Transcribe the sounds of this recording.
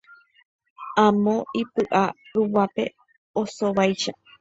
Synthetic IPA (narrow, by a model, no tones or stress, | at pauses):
ãmõipɨʔauwape̞̰ | osoβajʃa